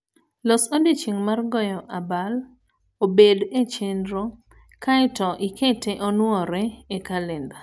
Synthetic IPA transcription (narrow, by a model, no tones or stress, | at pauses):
lɔsodet͡ʃiŋmarɡɔjɔʔabal | obedet͡ʃendɾo | kaɪtɔʔiketeʔɔnwɔɾɛekalɛnda